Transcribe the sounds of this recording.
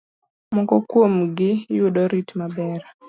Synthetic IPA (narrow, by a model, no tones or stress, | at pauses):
mɔkɔkwomɡɪjʊɗɔɾitmabɛɾ